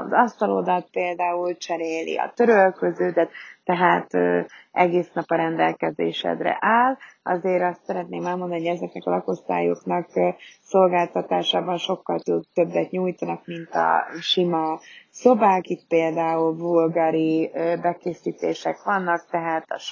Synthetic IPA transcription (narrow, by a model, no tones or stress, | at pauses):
zɒst̪ɒlo̞d̪ɒt̪̚peːld̪aːult͡ʃɛɾeːlḭɒ̰t̪øɾølkøzøːd̪ɛt̪ːɛɦaːt̪ːʔɛɡeːsnɒpɒɾɛnd̪ɛ̰lkɛzḛːʃɛ̰d̪rɛ̰ʔaːlɒ̰zeːɾɒst̪sɛɾɛt̪̚neːmɛlmo̞nd̪ɒnihoɛzɛknɛkɒlɒko̞st̪a̰ːjo̞̰knɒkso̞lɡaːlt̪ɒt̪aːʃaːbɒnʃo̞kːɒlt̪ud̪t̪ø̞bːɛt̪ɲuːjt̪ɒnɒkmint̪ɒ̰ʃimɒso̞baːkit̪̚peːld̪aːulvulɡɒɾibɛkeːsiːt̪eːʃɛkʋɒnːɒk̚t̪ɛɦaːt̪ɒʃ